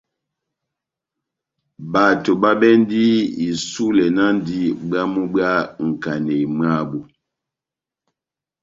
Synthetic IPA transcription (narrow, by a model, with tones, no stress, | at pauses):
ba˨to˨ba˦bɛ˦n˦di˦i˨su˦lɛ˨na˦n˦di˦ba˦mu˦ba˦ŋ̩˨ka˨ne˨ma˦˨bu˨